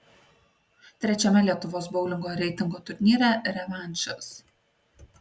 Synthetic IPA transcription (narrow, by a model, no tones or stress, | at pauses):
t̪ʲɾʲɛt͡ʃʲɛmʲɛlʲiɛt̪ʊʋoːsbɔʊlʲɪŋɡoːjɾʲɛɪt̪ʲɪŋɡoːt̪ʊɾʲnʲiːɾʲɛɾʲɛʋɑˑnʲˑt͡ʃʲɐs